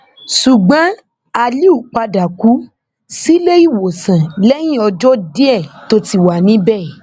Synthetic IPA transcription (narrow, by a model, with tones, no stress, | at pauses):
ʃu˨ɡ͡bã˨˦ | a˧li˦u˦˨k͡pa˧da˨ku˨˦ | si˦le˦i˦˨wo˨sã˨lɛ˦j̃ĩ˦˨ɔ˧d͡ʒɔ˦de˦ɛ˦˨to˧˦ti˦˨wa˨nĩ˨˦bɛ˦˨